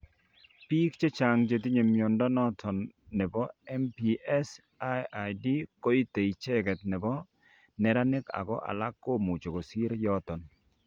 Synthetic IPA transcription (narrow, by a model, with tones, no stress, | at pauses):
pi˦kt͡ʃe˦t͡ʃa˨ŋt͡ʃe˨t̬i˦ɲe˨mjɔ˨ndɔ˦nɔ˦tʰɔ˨nːɛ˨bɔ˦ɛ˦mpi˨ɛ˦s | a˦a˨di˦kɔ˦i˦te˨i˨t͡ʃɛ˦kɛ˨t̪̚nɛ˨bɔ˦ | nɛ˨ɾa˦nɪ˦ka̰˨ɡɔ̰˦ʔa̰˨la˦kːo˦mu˨t͡ʃo˨ko˨si˦ɾjɔ˦t̪ɔ˨n